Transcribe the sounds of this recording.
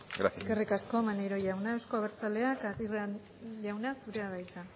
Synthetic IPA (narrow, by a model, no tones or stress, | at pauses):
ɡɾa̰skerikaskomanejɾo̞ʝawnaewsko̞aβeɾt͡sale̞akaira | ʝawnasuɾe̞aβajt̪a